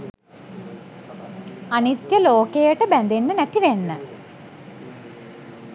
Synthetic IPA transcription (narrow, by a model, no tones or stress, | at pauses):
anit̪jəloːkejəʈəbænd̪enːənæt̪iʋenːə